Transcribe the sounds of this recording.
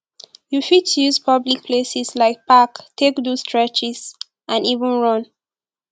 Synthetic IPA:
jufid̚tʰjuzpʰʌblik̚pʰlesislaɪk̚paktʰekdostʰɹɛt͡ʃɪz̥ | ʔãnivə̃nɹʌ̃n

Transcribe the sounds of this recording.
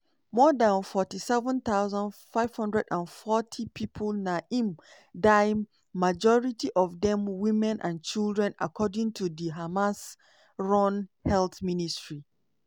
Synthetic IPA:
mɔdãnfɔtisɛvə̃nt̪aʊzãndfaɪv̥hʌ̃ndɹɛdãnfɔtʰipʰipʰəlnaʔĩm | daɪ | mad͡ʒɔɹitiʔɔvdɛ̃mwĩmɛ̃nʔã̰nt͡ʃilˠdɹɛ̃na̰kʰɔdĩŋtʰudiɦamas | ɹɔ̃nhɛlθministɹi

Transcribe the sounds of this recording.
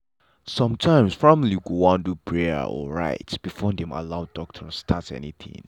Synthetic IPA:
sɔ̃mtʰãɪ̃msfɹɔ̃mliɡoãndupʰɹɛ̰ɔ̰ɹa̰ɪtb̥ifɔdɛ̃ma̰laʊdɔk̚tʰətstʰatɛ̰niθʰḭ̃ŋ

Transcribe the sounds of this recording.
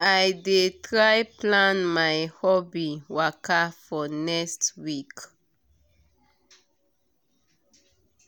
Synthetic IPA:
ajdetɹajplãnmajhɔbiwakafɔnɛstwik

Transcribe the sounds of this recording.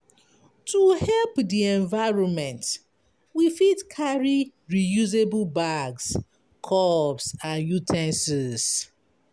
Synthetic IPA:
tʰuhɛlpdiɛ̃ɱvaɪɹɔ̃nmɛ̃nt | wifidkʰaɹi | ɹijuzeblbaɡs | kʰɔbsãnjutʰɛ̃nsɛz

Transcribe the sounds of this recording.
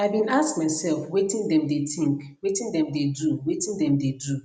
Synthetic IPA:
aabĩnaskmaɪsɛlfwetĩndɛ̃mdetĩŋk | wetĩndɛ̃mdeduwetĩndɛ̃mdedu

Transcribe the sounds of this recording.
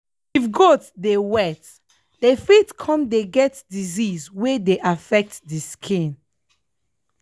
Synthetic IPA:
ifɡotsdewɛt | defitkʰɔ̃mdeɡɛtdizizwedeʔafɛk̚tdiskʰĩn

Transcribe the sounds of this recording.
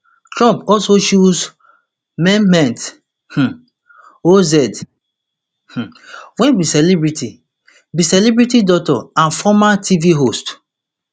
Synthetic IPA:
tɾɔ̃mpɔsoʃuz | mɛmɛ̃nt | h̩ | ozɛd | h̩wɛ̃nbisɛlibɹiti | bisɛlibɾitidɔtɔãnfɔmatʰiviɦost

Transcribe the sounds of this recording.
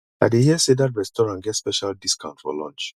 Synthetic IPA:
aɪdehiɛsedatɹɛstɔɹãnɡɛtspɛʃaldiskãʊ̃ntfɔ̰lɔ̰̃nt͡ʃ

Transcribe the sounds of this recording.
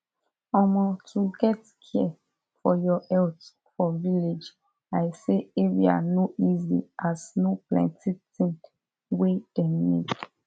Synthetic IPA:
ɔmɔtʰuɡɛt | kʰɛ | fɔjɔɛlt | fɔviled͡ʒ | ajseeɹḭa̰noʔizḭʔasnoplɛ̰̃ntitĩŋk | wed̥ɛnḭd

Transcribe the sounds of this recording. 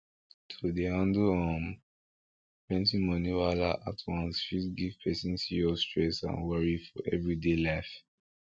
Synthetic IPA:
tʰudehãnduhɔ̃m | pɹɛ̃ntĩmɔniwalaʔa̰tʰwãnsʃitɡiv̥pʰɛsĩnsiɔstɹɛsã̰nwɔɹifɔʔɛvɹidelaɪf

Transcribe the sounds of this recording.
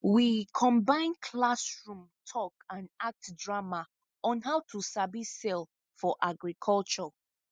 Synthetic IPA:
wikʰɔ̃mbãɪ̃nkʰlasɹũmtʰɔkãnak̚tdɹama | ɔ̃nɦawtʰusabisɛl | fɔʔaɡɹikʰɔlt͡ʃɔ

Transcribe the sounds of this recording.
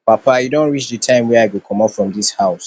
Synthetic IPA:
papajudõnɹit͡ʃdɨtʰãɪ̃mwɛaɪɡokʰɔ̃mafɹɔ̃mdishaʊs

